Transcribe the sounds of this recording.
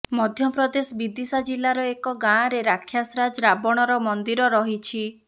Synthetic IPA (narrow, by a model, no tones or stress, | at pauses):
mɔd̪ʱjɔpɾɔd̪esɔbid̪isad͡ʒilːaɾɔekɔɡãɾeɾakʰːjasɾad͡ʒɾabɔɽ̃ɔɾɔmɔnd̪iɾɔɾɔɦit͡ʃʰi